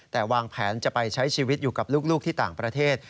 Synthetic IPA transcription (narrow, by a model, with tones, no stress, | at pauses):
t̪ɛː˨˩waː˧ŋpʰɛː˩˦nt͡ɕa˨˩pa˧jt͡ɕʰa˦˥jt͡ɕʰiː˧wi˦˥t̪̚juː˨˩ka˨˩p̚luː˥˩k̚luː˥k̚t̪ʰiː˥˩t̪aː˨˩ŋpɾa˧t̪ʰeː˥˩t̪̚